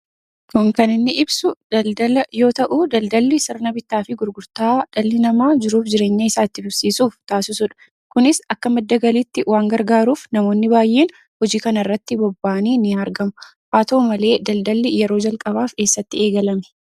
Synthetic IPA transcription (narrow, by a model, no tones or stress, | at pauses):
kʊŋkɐnɪnːɪɪbsʊɐd̪ɐljo̞ːt̪ɐʔud̪ɐld̪ɐlːɪsɪɾɐnɐbɪt̪ːaːfɪɡʊɾɡʊɾt̪aːd̪̥ɐlːɪnɐmaːd͡ʒɪɾuːfd͡ʒɪɾe̞ːɲːɐɪsaːɪt̪ːɪbʊsiːsuːft̪aːsɪsʊᶑɐ̥ | kʊnɪsɐkːɐmɛd̪ːɐɡɐliːt̪ːɪwaːŋɡɐɾɡaːɾuːfnɐmo̞ːnːɪbaːjːe̞ːn | hɔd͡ʒiːkɐnɐrːɐt̪ːɪbɔbːaːniːnɪɐɾɡɐmʊ | ʔaːt̪oːmɐle̞ːd̪ɐld̪ɐlːɪjɛɾo̞ːd͡ʒɐlkʼɐbaːfke̞ːsːɐt̪ːɪe̞ːɡɐlɐmɛ̥